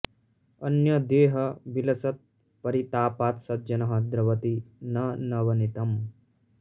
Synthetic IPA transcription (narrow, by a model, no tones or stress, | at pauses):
ɐnjɐd̪eːɦɐbilɐsɐt̪̚ | pɐɾit̪aːpaːt̪sɐd̪̚d͡ʒɐnɐɦɐd̪ɾɐʋɐt̪inɐnɐʋɐnit̪ɐm